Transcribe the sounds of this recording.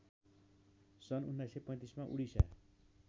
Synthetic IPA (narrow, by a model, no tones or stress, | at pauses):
sʌnunːajsepʌĩt̪ismaʔuɽisa̰